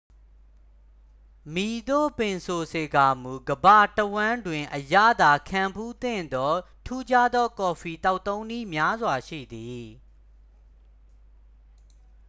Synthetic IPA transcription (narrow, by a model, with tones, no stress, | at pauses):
mi˨d̪o̰˦˨pɪ̃˨nsʰo˨se˨ɡa˨m̥u˨ɡəba˦˨təwã˦ndwɪ̃˨ʔəja̰˦˨d̪a˨kʰã˨mpʰu˦t̪ɪ̰̃˦˨nd̪ɔ˦ | tʰu˦d͡ʑa˦d̪ɔ˦kɔ˨fi˨ta˦ʊʔt̪ːõ˦ʊ̃ni˦˨mja˦zwa˨ʃḭ˦˨d̪i˨